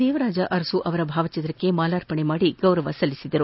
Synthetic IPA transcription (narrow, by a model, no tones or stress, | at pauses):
d̪ɛːʋɐɾaːd͡ʒɐʔɐɾɐsuʔɐʋɐɾɐbʱaːʋɐt͡ʃɐnɾɐkːe̞maːlaːɾpɐɳemaːɽiɡɐwɾɐʋɐsɐlːisid̪ɐɾu